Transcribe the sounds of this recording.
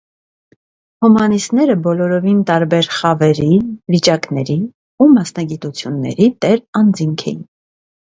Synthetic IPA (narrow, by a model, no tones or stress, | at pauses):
humɑnist̪nɛɾəbɔlɔɾɔvint̪ɑɾbɛɾχɑvɛɾivit͡ʃɑkn̪ɛɾi | umɑsnɑɡit̪ut͡sʰjunːɛ̰ɾit̪ɛɾɑnd͡ziŋkʰɛ̰jin